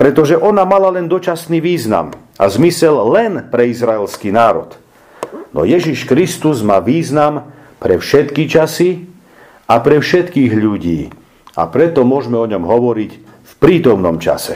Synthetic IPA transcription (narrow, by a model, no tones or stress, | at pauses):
pɾɛt̪ɔʒɛʔɔnamalalɛnd̪ɔt͡ʃasniːʋiːzna̰m | a̰zmisɛllɛnpɾɛizɾaɛlskinaːɾɔ̰t̪ | nɔ̰jɛʒiʃkɾist̪uzmaːʋiːznam | pɾɛfʃɛt̪kit͡ʃasi | apɾɛfʃɛt̪kiːɣʎuɟiː | a̰pɾɛt̪ɔmʊɔʒmɛɔɲɔmɦɔʋɔɾic | fpɾiːt̪ɔmnɔmt͡ʃa̰sɛ